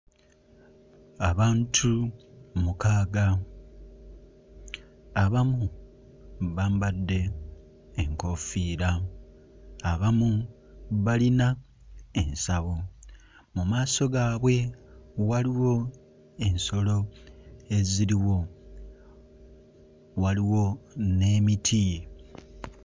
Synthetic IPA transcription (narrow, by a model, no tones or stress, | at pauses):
aβaːntʰumukaːɡa | aβamu | βambadːe̞ː | ŋko̞fiːɾa | βamu | βalina | e̞nsaβo̞ | mumaːso̞ɡaːβwe̞waliwo̞ | e̞nso̞lo̞ | e̞ziɾiwo̞ | waliwo̞ne̞ːmitʰij